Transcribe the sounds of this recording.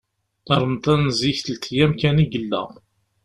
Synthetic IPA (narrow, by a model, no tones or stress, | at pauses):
ɑɾˤmt̪ænziçθəlt̪ʰjæmkæniɡəlːæ̰